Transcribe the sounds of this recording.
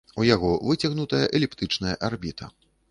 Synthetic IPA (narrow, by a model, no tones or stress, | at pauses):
ujaɣɔvɨt͡sʲɐɣnut̪ɐjɐʔɛlʲɛpt̪ɨt͡ʂn̪ɐjɐʔarbʲit̪ʰɐ